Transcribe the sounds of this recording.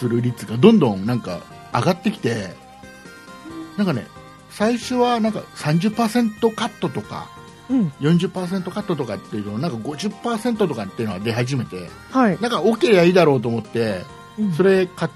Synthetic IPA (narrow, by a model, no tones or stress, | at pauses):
sɨɾɯ̟ɾʲit͡sɨɡad̪õ̞nd̪õ̞nnãŋka̰ | aɡat̪ːe̞kʲi̥t̪e̞ | nãŋkane̞̰ | saiɕo̞βanãŋka̰sãɲ̟d͡ʑɨpːaːsẽ̞nt̪o̞kat̪ːo̞t̪o̞kã̰ | jõ̞ɲ̟d͡ʑɨpːaːs̬ent̪o̞kat̪ːo̞t̪o̞kat̪ːe̞jiɯ̟nonãŋkaɡo̞ʑɨpːaːse̞nt̪o̞t̪o̞kat̪ːeiɯ̟noad̪e̞ɦaʑime̞t̪e̞̰ | hanãŋkaokʲeɾaiːd̪aɾo̞ːt̪̬o̞ːmot̪ːe̞ | so̞ɾe̞ka